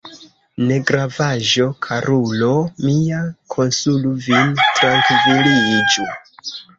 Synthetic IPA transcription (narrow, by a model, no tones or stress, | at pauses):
ne̞ɡɾavaʒo̞kʰaɾʔulo̞miakʰo̞nsuluvintɾaŋkvilid͡ʒu